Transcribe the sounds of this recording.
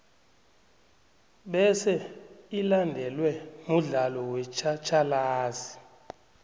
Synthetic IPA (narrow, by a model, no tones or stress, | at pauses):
ɓɛsɛilandʱɛlwɛmuɮalɔwɛt͡ʃʰʼat͡ʃʰʼalaːzi